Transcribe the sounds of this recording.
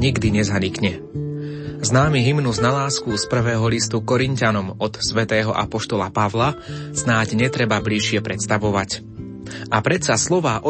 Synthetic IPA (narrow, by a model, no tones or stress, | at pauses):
ɲiɡd̪iɲɛzaɲikɲɛ | znaːmiɦimnuznalaːskuspr̩ʋɛːɦɔlist̪ukɔɾincanɔmɔt̪sʋɛt̪ɛːɦɔʔapɔʃt̪ɔlapaʋlasnaːɟɲɛt̪ɾɛbabliʃɪɛpɾɛt̪st̪aʋɔʋac | ʔapɾɛt̪saslɔʋaːʔɔ